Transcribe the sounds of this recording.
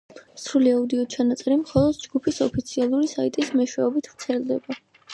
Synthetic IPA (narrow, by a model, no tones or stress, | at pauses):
sɾuliaud̪iɔt͡ʃʰanat̪sʼɛɾimχɔlˠɔd̪d͡ʒɡupʰisɔpʰit̪sʰialˠuɾisait̪ʼismɛʃwɛɔbit̪ʰv̥ɾt̪sʰɛlˠd̪ɛba